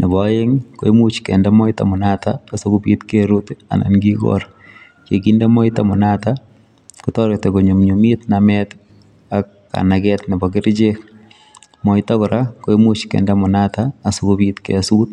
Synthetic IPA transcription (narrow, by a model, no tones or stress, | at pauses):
nɛbɔeŋko̰imut͡ʃkɛndamɔita̰mʊnataːsokopḭt̪keɾuta̰na̰nɡiɡɔ̰ɾ | kekindamɔɪtamʊnata | kʊtɔɾek̚tekoɲomɲomit̪namɛt̪ | akːa̰naɡɛtnɛbɔɡɪɾd͡ʒek | mɔɪtakɔɾakoimut͡ʃkɛ̰ndamʊnataːsokobit̪kɛ̰sut̪̚